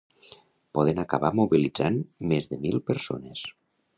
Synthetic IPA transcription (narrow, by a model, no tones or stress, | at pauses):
pɔðənakaβamuβilid͡zanmezðəmilˠpəɾso̰nes